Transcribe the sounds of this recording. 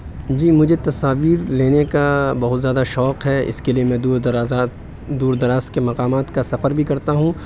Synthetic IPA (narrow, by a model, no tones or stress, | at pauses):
d͡ʒiːmʊd͡ʒʱet̪ɐsaːʋiːɾleːnekabɐɦʊt̪zjaːd̪aʃɔːqɦɛɪ̰skeliemɛ̃d̪ɾaːzː | d̪uːɾd̪ɐɾaːst̪̚kemɐqaːmaːt̪kasɐfəɾbʱikɐɾt̪aɦũ